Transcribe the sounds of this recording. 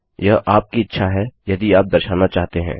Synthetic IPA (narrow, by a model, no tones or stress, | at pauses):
jɐɦʔaːp̚kiɪtːʃʰaɦɛjɐd̪iaːp̚d̪ɐɾʃaːnat͡ʃaːɦt̪eɦɛ̰̃ː